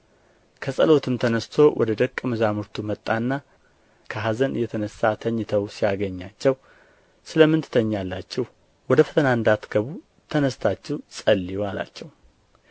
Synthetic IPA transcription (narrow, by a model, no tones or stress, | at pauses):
kʰəsʼə̰lo̞t̪ʰɨmt̪ʰənəst̪ʰo̞wʔɔ̰d̪əd̪əkʼːmɨzamuɾt̪ʰumət̪ʼːanːa | kʰəɦazənɨ̰jːɛt̪ʰənəsat̪ʰəɲːɪt̪ʰəwsijaɡəɲːat͡ʃːɛw | sɨləmːɨnt̪ʰɨ̥t̪ʰəɲːalːat͡ʃːɛh | wɔd̪əfə̥t̪ʰənaɨnd̪at̪ɡəβu | t̪ʰənəst̪ʰat͡ʃːɛwsʼəlːijala̰t͡ʃːɛw